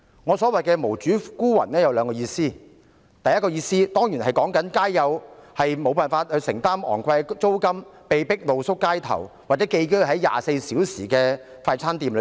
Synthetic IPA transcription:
ŋɔː˨˧sɔː˨˥wɐ˨jkɛː˧mo˨˩wt͡ʃyː˨˥kuː˥wɐ̰˨˩nɛː˥jɐ˨˧wlœː˨˧ŋkɔː˧jiː˧siː˥ | t̪ɐ˨jɐ˥kɔː˧jiː˧siː˥t̪ɔː˥ŋjiː˨˩nɦɐ˨˩jkɔː˨˥ŋkɐ˨˥nkaː˥jjɐ˨˧whɐ˨jmo˨˧wpaː˨˩nfaː˧t̚hɵ˧ɥsɪ˨˩ŋt̪aː˥mɔ̰ː˨˩ŋkwɐ˧jt͡so˥wkɐ˥mpe˨˧jpɪ˥k̚lo˨wsʊ˥kːaː˥jt̪ʰɐ̰˨˩wwaː˨t̚t͡sɛ˨˥ke˧jkɵ˥wɦɐ˨˥jja̰ː˨se˧jsiː˨˥wsḭː˨˩kɛː˧ | faː˧jt͡sʰaː˥nt̪iː˧ml

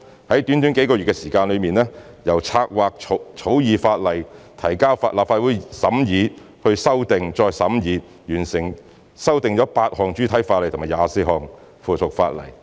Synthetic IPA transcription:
hɐ˨˥jt̪yː˨˥nt̪yː˨˥nke˨˥jkɔː˧jyː˨t̚kɛː˧siː˨˩kaː˧nlɵ˨˧ɥmiː˨nlɛː˥ | jɐ˨˩wt͡sʰaː˧k̚waː˨˧k̚ʰo˨˧t͡sʰo˨˥wjiː˨˧faː˧t̚lɐ˨˩jt̪ʰɐ˨˩jkaː˥wfaː˧laː˨p̚faː˧t̚wuː˨˥jsɐ˨˥mjiː˨˧ | hɵ˧ɥsɐ˥wt̪ɪ˨ŋt͡ʃɔː˧jsɐ˨˥mjiː˨˧ | jyː˨˩nsɪ˨˩ŋ | sɐ˥wt̪ɪ˨˧ŋt͡ʃɔː˨˥paː˧t̚hɔː˨ŋt͡ʃyː˥t̪ʰɐ˨˥jfaː˧t̚lɐ˨˩t̪ʰmaː˨˩jaː˨˧si˧˩ɦɔː˨˧ŋ | fuː˨˩t̪ʰʊ˨k̚faː˧t̚lɐ̰˨˩j

